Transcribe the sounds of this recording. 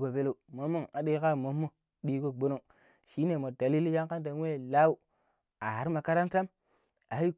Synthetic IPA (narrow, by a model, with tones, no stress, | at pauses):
ɡo˨be˦lo˦˨mo˨˦mːo˦ŋa˨ɗi˦ka˦˨mo˨˦mːo˦˨ | ɗi˦ɡo˦ɡ͡bo˦no˦˨ŋ | ʃi˦ne˨mo˨da˨li˦li˦ja˦ŋka˦nt̬a˨n˦e˦˨la˦u˦˨ | a˨a˨ɾi˦ma˨ka˦ɾa˦nta˦m | a˨i˦